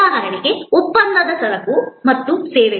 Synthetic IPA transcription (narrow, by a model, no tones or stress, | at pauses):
ɐɦɐɾɐɳiɡeupːɐnd̪ɐd̪ɐsɐlɐkumɐt̪ːuseːʋe